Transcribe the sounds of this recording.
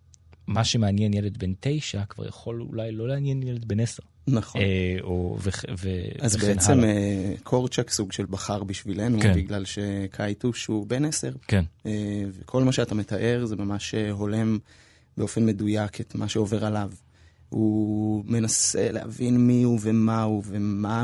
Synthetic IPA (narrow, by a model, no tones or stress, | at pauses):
maʃemeanjenjeled̪̚bentejʃakv̥a̰ʁja̰χo̞lṵlajlo̞leanjenjɛled̪̚beneseʁ | naχoo̰veveazbeet͡semekʰo̞ʁt͡ʃaksuɡʃelbaχaʁbiʃvilenunbiɡlalʃe̞kʰajtuʃube̞nese̞ʁkenevekʰo̞lmaʃeatame̞t̪aʔe̞ʁze̞mamaʃeɦo̞le̞m | beo̞fe̞nme̞dujakʰetmaʃeo̞ve̞ʁalav | hume̞nase̞̰leha̰vinmiuvemauvema